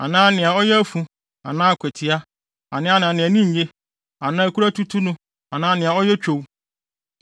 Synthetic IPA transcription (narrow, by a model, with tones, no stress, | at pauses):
a̰˨nãː˦nɪ̃˨a˨ɔ˦jɛ˦æ˦fũ˨ | a̰˨nãː˦a˨kʰʷɛ˨tʰi˨a˦ | a˨nɪ̃˦a˦nã˨nɪ̃˨æ˨nĩ˦ɲ̩˨ɲe˦ | a˨nã˦æ˦kʰu˦ɾa˦tʰu˦tʰu˦nʊ̃˦ | a˨nãː˦nɪ̃˨a˨ɔ˦jɛ˦t͡ɕᶣo˨w